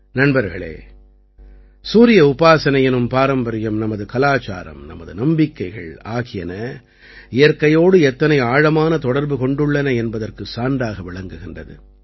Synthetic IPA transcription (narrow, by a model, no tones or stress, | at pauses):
nɐɳbɐɾɣɐ̰ɭḛː | suːɾɪjɐʊpaːsɐnɐjɪnɯmpaːɾɐmbɐɾɪjɐmnɐmɐðɯkɐlaːt͡ʃa̰ːɾɐ̰mnɐ̰mɐðɯnɐmbɪkːɐɪɣɐ̰ɭaːɣɪjɐnɐ | ɪjɐɾkɐjoːɽɯɛt̪ːɐnɐɪaːɻɐmaːnɐt̪ɔɽɐɾbɯkɔɳɖɯɭːɐnɐɛnbɐðɐrkɯsaːɳɖaːɣɐʋɪɭɐŋɡɯɣɪndrɐ̰ðɯ̰